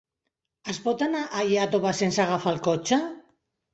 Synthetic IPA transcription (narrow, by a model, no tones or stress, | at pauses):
aspot̪anaʔajeat̪oβasensaɣafalkot͡ʃa